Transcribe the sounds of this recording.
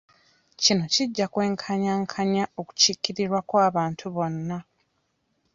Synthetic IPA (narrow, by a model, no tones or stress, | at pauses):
cino̞ciɟːakwe̞ːŋkʰaɲaŋkʰaɲao̞ku̥cikːiɾiɾwakwaːβaːntʰuβo̞nːa